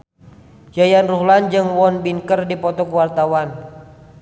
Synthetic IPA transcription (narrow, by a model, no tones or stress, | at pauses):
jajanruɦland͡ʒɨŋwɔnbiŋkərdipɔt̪ɔkuwart̪awan